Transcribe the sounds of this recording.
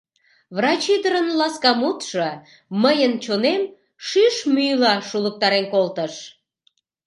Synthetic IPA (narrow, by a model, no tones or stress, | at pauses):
βrɑt͡ɕid̪əɾənlɑskɑmut̪ʃɤ | məjənt͡ɕonem | ʃyʃmyjlɑʃulək̚t̪ɑɾenkolt̪əʃ